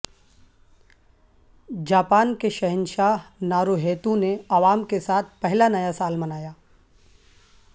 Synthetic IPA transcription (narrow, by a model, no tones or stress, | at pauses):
d͡ʒaːpaːnkeʃɐɦɪnʃaːɦnaːɾoɦeːt̪ũneaːʋaːmkesaːt̪̚ʰpɛɦlanɐjasaːlmɐnaːjaː